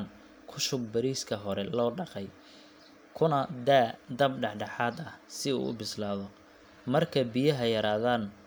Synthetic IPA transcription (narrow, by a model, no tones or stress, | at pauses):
n | kʰʊʃʊɡ̚bɐɾiːskʰɐɦɔɾɛlɔːɖɑqɛj | kʰʊnɐd̪aːd̪ɐbɖɑħɖɑħaːd̪ɐhsɪṵːʊ̰bɪslaːðɔ | mɐrkʰɐbɪjɐɦɐjɐɾaːðaːn